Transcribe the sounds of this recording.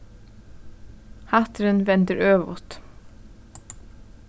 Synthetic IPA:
haht̪ɾɪnvɛnt̪ɪɾøːʋvʊ̰t̪

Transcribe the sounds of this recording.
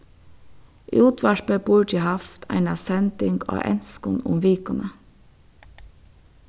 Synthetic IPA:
ʔuʉːt̪ʰʋæʃpəbuːʈɪhɑft̪ʰæ̰ɪnɑsɛnd̪ɪŋɡo̰ːʔɛ̰nskʊnʊ̰mʋiːkɑnə

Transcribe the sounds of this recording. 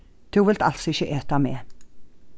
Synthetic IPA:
d̪̥ʰʉːʋɪlt̪ɑ̰lt̪sɔɪçəʔeːt̪ameː

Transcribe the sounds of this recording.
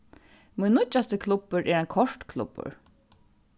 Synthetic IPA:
mʊjnːʊt͡ʃːast̪əkʰlʊpːəɹʔɛːɾɛnkʰɔʂt̪kʰlʊ̰pːə̰ɹ

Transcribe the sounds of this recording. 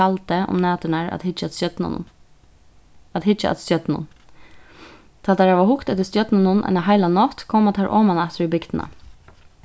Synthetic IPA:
alt̪əʊ̰mnɑːt̪ɪnaɹa̰t̪hɪt͡ʃ | ad̪hɪt͡ʃa̰ʔa̰t̪st̪jœt̪nʊ̰n | t̪ʰɑːaɾhaʋahʊkt̪ɛt̪ɪst̪jœt̪nanʊnʔa̰ɪnaɦaɪlanɔt̪kʰɔːmat̪ʰaɹʔɔ̰ːmanɛht̪ɪɾibɪɡd̪ɪna̰

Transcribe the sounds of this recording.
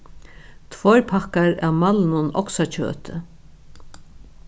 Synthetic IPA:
t̪ʰvɔɾpʰakaɾa̰wmalnʊnɔ̰ksat͡ɕʰœ̰ːt̪ɪ

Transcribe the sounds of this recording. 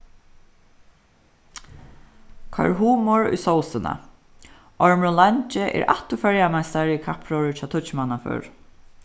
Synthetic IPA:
kʰɔ̰ɹɦuːmɔɹʊ̰jsɔwsɪna̰ | ɔɹmɹʊlant͡ʃɪʔɛ̰ːɹa̰t̪ʊfœɹjamajst̪aɹikʰapʰɹɔɹɪt͡ʃʰaːt̪ʰʊt͡ʃmanafœ̰ɹ

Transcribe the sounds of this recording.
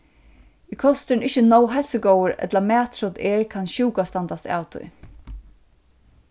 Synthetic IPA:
ikʰɔst̪ɪnɪt͡ʃənɔwɦɛlsəɡɔwəɾɛ̰t̪lamæːt̪ɾɔt̪ɛːɹkʰanɕuːkast̪ant̪ast̪a̰ːwt̪ʰʊ̰j

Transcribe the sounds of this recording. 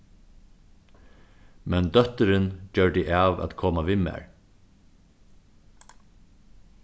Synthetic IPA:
mɛnd̪œt̪əɾɪnd͡ʒœɹd̪ɪʔaːʋa̰t̪kʰɔːmaʋɪmæ̰ːɹ

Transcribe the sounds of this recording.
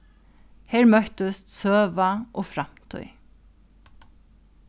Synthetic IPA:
hɛːɹmœht̪əst̪søːʋaʔoːfɾam̥t̪ʰœ̰ʏ

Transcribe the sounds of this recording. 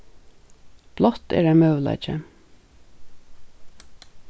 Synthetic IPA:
b̥lɔt̪ḛːɾæɪmœʋlɑ̰ɪt͡ʃə̰

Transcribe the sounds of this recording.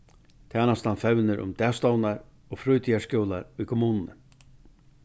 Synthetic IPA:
t̪ʰaːnast̪anfɛwnɪɾʔʊ̰mt̪ɛːst̪ɔwnaɾ | ɔːɣfɾʊjt̪ʰiaskɔwlaɾʊjkʰʊmuːnnə̰

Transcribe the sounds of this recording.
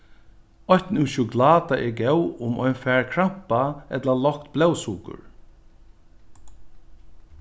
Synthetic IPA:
ɔjt̪nuwʃuklaːt̪aʔɛɹɡɛwʊmɔjnfɛːɹkʰɹam̥paɛt̪lalɔhkt̪blɛwsuːkʊ̰ɹ

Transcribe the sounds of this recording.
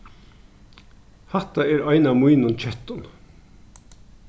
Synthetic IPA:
hɑt̪ɑeːɾɑɪnɑmuinʊnt͡ʃɛt̪ɔn

